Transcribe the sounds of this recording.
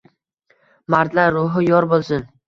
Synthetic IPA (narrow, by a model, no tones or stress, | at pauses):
maɾd̪laɾːʊɦɪjɒɾbolˠsɪn